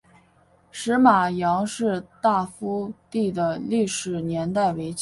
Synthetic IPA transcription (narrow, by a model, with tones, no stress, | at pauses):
ʂɻ̩˧˥ma˨˩jɑ˧˥ŋʂɻ̩˥˧t̪a˥˩fu˥t̪i˥˩d̪ə˩li˥˩ʂɻ̩˨˩njɛ˧˥nt̪a˥˩ɪwe˧˥ɪt͡ɕ